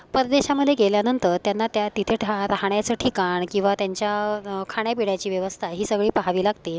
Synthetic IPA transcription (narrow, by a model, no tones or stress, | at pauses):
pəɾəd̪eɕaməd̪ʱːjeɡeljanənt̪əɾt̪janːat̪jat̪it̪ʰeʈɾaɦɳjat͡səːʈʰikaɳkĩw̃ʋat̪jaɲt͡ɕjakʰaɳjapiɽjat͡ɕiːʋjəʋəst̪ʰaɦiːsəɡɭiːpaɦaʋiːlaɡt̪i